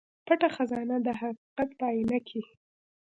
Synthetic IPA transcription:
paʈaxazɑnad̪əɦaqiqat̪̚b̪ɑjɪnakʰi

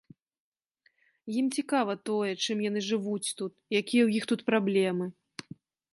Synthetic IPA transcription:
jimt͡sʲikavɐt̪ɔjɛt͡ʂɨmjan̪ɨʐɨvut͡sʲt̪ut̪jakʲijɛwjixt̪ut̪pɾablʲɛmɨ

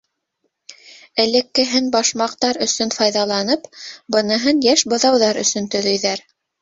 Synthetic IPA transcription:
ɘ̆lɘ̆kːɘ̆ɦɘnbɑʃmɑq̚t̪ɑɾɵ̆sɵnfɑjðɑlˠɑnɤpbɤ̆nɤ̆ɦɤnjæʃbɤ̆ðɑwðɑɾɵ̰̆sɵ̆nt̪ɵ̆ðɵ̆jðæɾ

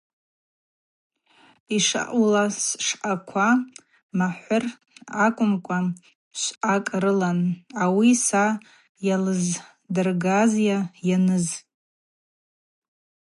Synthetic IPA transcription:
iʂa̰ʔulasʂħakʷʰa | maħʷʊr | akʷʼʊmkʷʼa | ʃʷakʼrɨlanawisa | jalɨz | dɨrɡazjajanɨz

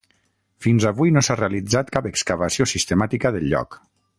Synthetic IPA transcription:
finzaβujnosarealid͡zat̪kapəkskaβəsiosist̪əmat̪ikəðəlʎːɔ̰k

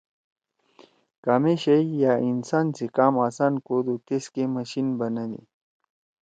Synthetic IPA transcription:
kameɕɐijainsaːnsekaːmaːsaːnkod̪ut̪eskemɐɕinbɐnɐlḭ

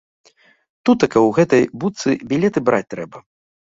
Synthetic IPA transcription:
t̪ut̪ɐkɐwɣɛt̪ɐjbut̪sɨbʲilʲɛt̪ɨbɾʔat͡sʲt̪ɾɛbɐ

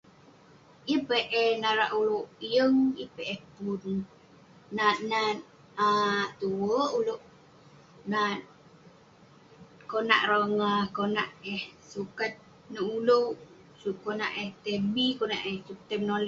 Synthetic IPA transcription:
ipeʔɛhnaɾaʔulowʔijəŋipeʔehpunː | aʔna | at̪uwəʔuloʔ | na | kona̰ʔrəŋakonaʔehsukat̪̚ | nəuləw | sukona̰ʔeht̪ebikonaʔehsup̚t̪əmnoli

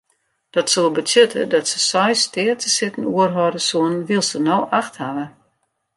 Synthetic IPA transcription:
d̥ɔtsolˠbətʰøtʰə̰dɔtsə̥sɔjstɪːərtʰəsɪtən̩uərɦɔdəsuənʋilˠsənowʔaxthaʋə

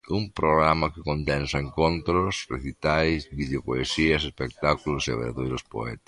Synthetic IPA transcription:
umpɾoɣɾamakɪkond̪ɛ̃nsaeŋkõnt̪ɾosrḛθit̪ajsβiðeopoesiɐsespek̚t̪akulosia̰βa̰ðojɾospo̰ɛ̰t̪ḁs

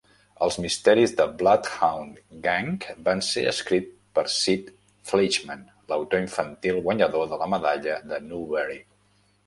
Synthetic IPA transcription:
əlˠzmist̪ɛɾizðəblat̪xawnɡaŋkbansḛə̰skɾit̪̚ | pəɾsit̪ | flit͡ʃmən | ləwt̪oiɱfənt̪ilˠɣwəɲəðoðələməðaʎəðənuβɛɾi

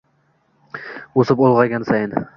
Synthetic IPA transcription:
osɪpolˠʁɑɡʲansajɪn

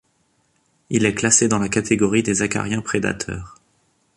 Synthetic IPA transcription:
ilɛklased̪ɑ̃lakat̪ʰeɡɔʁid̪ezaka̰ʁjɛ̃pχed̪a̰t̪ʰœ̰ːʁ

